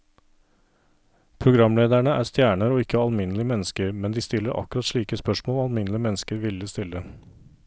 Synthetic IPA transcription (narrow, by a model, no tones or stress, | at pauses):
pʰɾʊɡɾɑmleːd̪æɳəʔæ̰ːst̪jæːɳəɾoːɪkːəɑlmɪnəlɪəmɛnəskəɾmɛnd̪iːst̪ɪlːəɾʔɑ̰kːʉɾɑt̪ʂɭiːkəspœʂmoːlɑlmɪnəlɪəmɛnːəskəɾʋɪlːəst̪ɪlːə